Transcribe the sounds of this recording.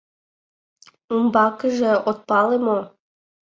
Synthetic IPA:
umbɑkəʒĕot̪̚pɑlemo

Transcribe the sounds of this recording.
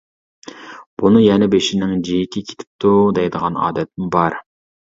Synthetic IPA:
b̥unɨjɛnɛbeʃinɪŋd͡ʒijɪkʲʰɪkʲʰe̥t̪ʰɪ̥p̚t̪ʰud̪ɛjd̪əʁɑnɑ̰ːd̪ɛt̪̚ːɪŋbɑɾ

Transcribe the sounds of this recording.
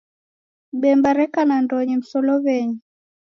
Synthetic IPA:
ɓɛmbaɾɛkanandɔɲim̩sɔlɔβɛɲi

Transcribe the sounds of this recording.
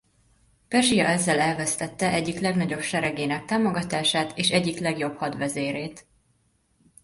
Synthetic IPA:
pɛrʒijɒ̰ɛzːɛlɛlvɛst̪ɛt̪ːɛʔɛɟːiklɛɡnɒɟo̞pʃɛɾɛɡeːnɛk̚t̪aːmo̞ɡɒt̪aːʃaːt̪eːʃɛɟːiklɛɡjo̞bhɒd̪ʋɛzeːɾeːt̪

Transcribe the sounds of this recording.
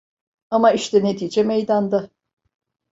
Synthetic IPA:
amaiʃt̪ʰɛne̞t̪ʰiːd͡ʒɛmejd̪and̪a

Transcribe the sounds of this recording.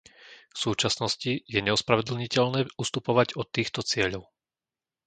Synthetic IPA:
fsuːt͡ʃasnɔscijɛɲɛɔspɾaʋɛd̪l̩ɲicɛʎnɛːust̪upɔʋaɟɔt̪ːiːxt̪ɔt͡sɪɛʎɔʊ

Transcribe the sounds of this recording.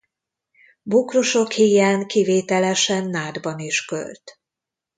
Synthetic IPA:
bukroʃo̞khijaːŋkiveːt̪ɛlɛʃɛnːaːd̪bɒniʃkø̰lt̪

